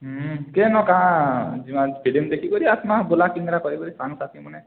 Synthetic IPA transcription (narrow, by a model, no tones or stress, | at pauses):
kenɔkãd͡ʒimãbʰʱiɖimd̪ekʰikɔɾiat̪mabolakiŋɡɾakɔɾikɔɾisanɔsat̪ʰimɔne